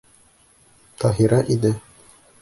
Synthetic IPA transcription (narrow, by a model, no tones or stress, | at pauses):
t̪ʰɑɦiɾɑʔid̪ɘ